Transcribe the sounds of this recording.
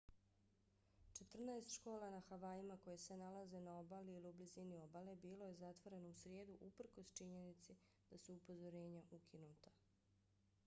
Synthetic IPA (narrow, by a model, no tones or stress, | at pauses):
t͡ʃe̞t̪r̩naest̪ʃko̞ːlˠanaxaʋaːjimako̞jese̞nalaze̞nao̞baliiliublizinio̞bale̞biːlo̞je̞zat̪ʋo̞ɾe̞nousɾjeːd̪uʔupr̩ko̞st͡ʃiɲe̞nit̪si | d̪̥asuːpo̞zo̞ɾe̞ːɲaʔukʰinuːt̪a